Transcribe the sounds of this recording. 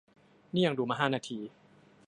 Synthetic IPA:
niː˥˩ja˧ŋduː˧maː˧˩ɦaː˥˩naː˧t̪ʰiː˧

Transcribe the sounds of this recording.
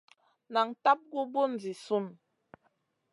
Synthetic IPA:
na˨ŋta˦p̚ɡu˦bu˦n̩˨d͡zi˨su˦˨n

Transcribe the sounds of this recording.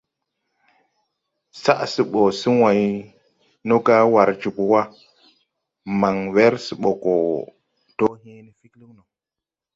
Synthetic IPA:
sa˦ʔsi˦ɓo˨si˦wa˨j | no˦ka˦wa˨ɾd͡ʒu˨ku˨wa˦ | ma˨ŋwe˦ɾsi˨ɓo˨ko˨ | to˦he˦ni˦fi˦klu˦ŋno˨

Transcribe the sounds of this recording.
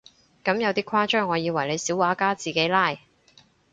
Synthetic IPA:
kɐ˨˥mjɐ˨˧wt̪iː˥kʷʰwaː˥t͡ʃœː˥ŋɔː˨˧jiː˨˧wɐ˨˩jle˨˧jsiː˨˥waː˨˥kaː˥t͡siː˨˩ke˨˥jlaː˥˩j

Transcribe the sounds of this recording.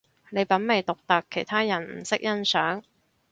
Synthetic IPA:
ne˨˧jpɐ˨˥nme˨˩jt̪ʊ˨k̚t̪ɐ˨kʰːe˨˩jt̪ʰaː˥jɐ˨˩nm̩˨˩sɪ˥k̚jɐ˥nsœː˨˥ŋ

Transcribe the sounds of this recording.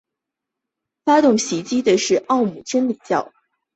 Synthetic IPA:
fa˥t̪ʊ˥˩ŋɕi˧˥t͡ɕi˥d̪ə˨ʂɻ̩˥˧ʔɑ˥˩ʊmu˨˩t͡ɕʰɛ˥nli˨˩t͡ɕjɑ̰˥˩ʊ

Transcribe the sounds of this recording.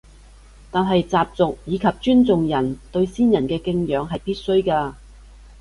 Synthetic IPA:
t̪aː˨˩nɦɐ˨jt͡saː˨p̚t͡sʊ˨k̚jiː˨˧kʰɐ˨p̚t͡ʃyː˥nt͡sʊ˨ŋjɐ˨˩nt̪ɵ˧ɥsiː˥njɐ˨˩nkɛː˧kɪ˧ŋjœː˨˧ŋɦɐ˨jpiː˥t̚sɵ˥ɥkaː˧

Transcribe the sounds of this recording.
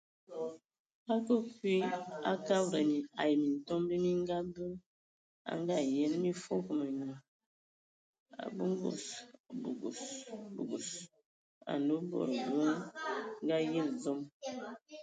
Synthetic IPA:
a˦kə˦kwi˦a˦ka˦bɾə˨mi˨a˨jmi˨n˨tɔ˦mbi˦mi˦ŋ˦ɡa˦bə˦ | a̰˦ŋɡa˦˨je˦nmi˦fo˦kə˨mə˨ɲə˨ | a̰˨bə˦ŋ˦ɡo̰˨sbu˨ɡṵ˨sbu˨ɡu˨s | a̰˨ndo˦bo̰˦˨ɾbə˦ŋ˦ɡa˦je˦lzo˦m

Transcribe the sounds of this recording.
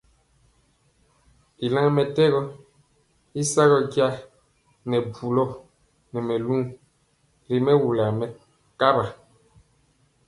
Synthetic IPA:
i˨la˦ŋmɛ˨tɛ˦ɣɔ˦ | i˦sa˦ɣɔ˦ɡja˦ | nɛ˨bu˨lɔ˦ | nɛ˨mɛ˨lu˦ | li˦mɛ˦wu˨la˨mɛ˨ | ka˦ba˨

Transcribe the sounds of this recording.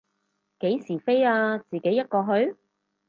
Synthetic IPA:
ke˨˥jsiː˨˩fe˥jaː˧t͡siː˨ke˨˥jːɐ˥t̚kɔː˧ɦɵ˨˧ɥ

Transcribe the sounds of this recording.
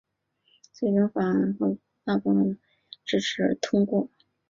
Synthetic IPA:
t͡swe˥˩ɪʈ͡ʂʊ˥ŋfa˨˩ə˧˥nxo˥˩ | t̪a˥˩pu˥˩mə˧˥˩n | ʈ͡ʂɻ̩˥ʈ͡ʂʰɻ̩˧˥t̪ʰʊ˥ŋkwɔ˥˩

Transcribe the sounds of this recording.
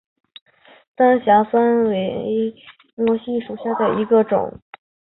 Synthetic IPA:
t̪a˥nɕja˧˥fa˥nwe˧˥ɪɪ | mwɔ˧˥ɕi˥˩ʂu˨˩ɕja˥˩d̪ə˩i˧˥ɡə˧ʈ͡ʂʊ̰˨˩˦ŋ

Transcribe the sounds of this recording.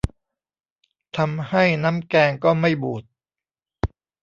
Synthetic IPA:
t̪ʰa˧mha˥˩jna˦˥mkɛː˧ŋkɔː˥˩ma˥˩jbuː˨˩t̪̚

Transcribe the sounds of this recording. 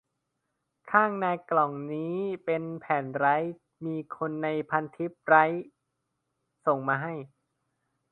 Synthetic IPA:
kʰaː˥˩ŋnaː˧jklɔ˨˩ŋniː˦˥pe˧npʰɛː˩˦nɾa˦˥j | miː˧kʰo˧nːa˧jpʰa˧nt̪ʰi˦˥p̚ɾa˦˥j | so˨˩ŋmaː˧ɦa˥˩j

